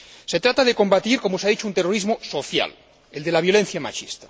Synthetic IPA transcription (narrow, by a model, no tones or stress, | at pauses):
se̞t̪ɾat̪aðeko̞mbat̪iɾko̞moseaðit͡ʃount̪e̞roɾizmoso̞θja̰l | e̞ld̪e̞laβ̞jo̞le̞n̟θjama̰t͡ʃḭst̪ḁ